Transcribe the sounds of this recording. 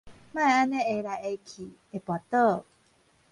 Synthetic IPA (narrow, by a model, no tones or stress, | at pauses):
maeaneeɾaejkʰi | epoat̪ə